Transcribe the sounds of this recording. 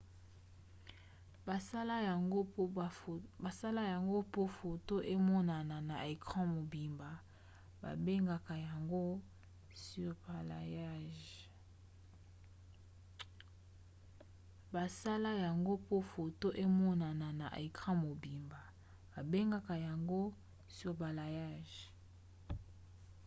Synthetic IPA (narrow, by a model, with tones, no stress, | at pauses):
a˨a˦la˦ja˨ɡo˦ba˨sa˦la˦ja˨ŋɡo˦po˦fo˨to˦ʔe˦mɔ˦na˨na˨na˨ʔe˨kʁã˦mo˨bi˨mba˨ | ba̰˨be˦ŋɡa˨ka˨ja˨ŋɡo˦ | sy˦˨ʁpa˨la̰˨ja˦ʒ | ba˨sa˦la˦ja˨ŋɡo˦po˦fo˨to˦ʔe˦mɔ˦na˨na˨na˨ʔḛ˨kʁã˦mo˨bi˨mba˨ | ba˨be˦ŋɡa˦ka˨ja˨ŋɡo˦ | si˦ba˨la˨ja˦˨ʒ